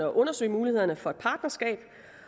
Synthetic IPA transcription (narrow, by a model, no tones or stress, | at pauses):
ɒ̽ʔɔ̽nɐsø̰ːmuːlihe̝ð̰ˠɐnəfɒ̽e̝d̥pʰɑ̈ːd̥nɐsɡ̥ɛ̰ːb̥